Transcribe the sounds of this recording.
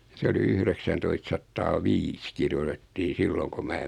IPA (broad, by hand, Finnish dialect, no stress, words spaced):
se oli yhreksæntoistsɑtːɑː ʋiːs kirjotetːiː silːoŋ ko mæː